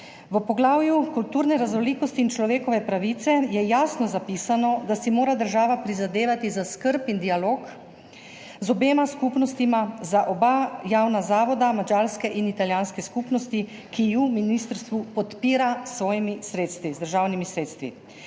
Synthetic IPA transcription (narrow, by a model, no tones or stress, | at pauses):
ʋəpɔɡlaːwjukult̪uɾnɛɾazɔliːkɔst̪iːnt͡ʃlɔʋeːkɔʋɛpɾaʋit̪sɛjɛjaːsnɔzapiːsanɔd̪asimoːɾad̪əɾʒaːʋapɾizad̪eːʋat̪izaskəɾpind̪ialoːk | zɔbeːmaskupnɔst̪imazaʔɔbajaːwnazaːʋɔd̪amad͡ʒaːɾskɛʔinit̪aljaːnskɛskupnɔst̪i | kijuminist̪əɾst̪ʋupɔt̪piːɾasʋɔːjimisɾeːt̪st̪ʋizd̪əɾʒawnimisɾeːt̪st̪ʋḭ